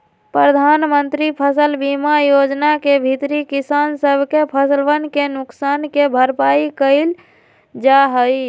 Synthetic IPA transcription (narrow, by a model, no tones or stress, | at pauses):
pɾəd̪ʱanmənt̪ɾipʰəsəlbimajod͡ʒnakebʱit̪ɾikisansəbʱkepʰəsəlʋənkenʊksankebʱəɾpaikəɪl | d͡ʒaɦəi